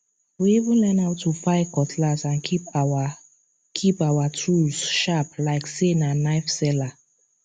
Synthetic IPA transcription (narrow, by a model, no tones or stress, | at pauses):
wiivĩnlɛnaʊtʰːufaɪkɔtʰlasãnkʰipa | kʰipawatʰɹuzʃaplaɪksenanaɪfsɛla